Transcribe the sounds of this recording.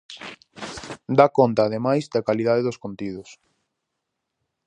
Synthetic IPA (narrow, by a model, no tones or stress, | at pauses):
d̪akont̪aːðemajzd̪akalið̞aðeðoskont̪ið̞ʊs